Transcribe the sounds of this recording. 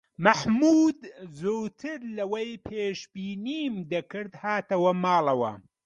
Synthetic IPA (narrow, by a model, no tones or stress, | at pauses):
mɐħmuːd̪zoːt̪ʰɨɾlɐwɐjpʰeːʃbiːniːmd̪ɐkɨɾd̪haːt̪ɐwɐmaːlˠɐwɐ̰